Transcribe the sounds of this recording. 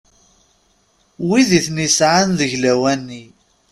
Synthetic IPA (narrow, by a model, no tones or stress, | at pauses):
wiðiθnisʕanðəʝlæwænːi